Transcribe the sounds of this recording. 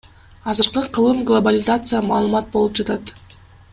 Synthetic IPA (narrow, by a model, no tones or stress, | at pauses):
ɑzɯɾqɯqʰɯlˠɯmɡlˠobalʲɪzat̪sɨjəmɑːlˠɯmɑt̪̚bo̞lˠupd͡ʒɑt̪ɑt̪